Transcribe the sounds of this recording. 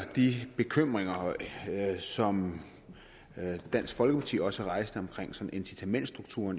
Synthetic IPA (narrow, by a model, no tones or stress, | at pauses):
d̥ib̥e̝kʰøm̰ʁeŋɐ | sɒ̽m | d̥æn̰sɡ̥fɒ̽lɡ̥əpʰɑ̈t͡sʰḭːɒ̽səʁɑ̈ɪsd̥əɒ̽mkʰʁeŋ̰sɒ̽n̩ensit͡sʰæmen̰d̥sd̥ʁuɡ̥t͡sʰṵɐn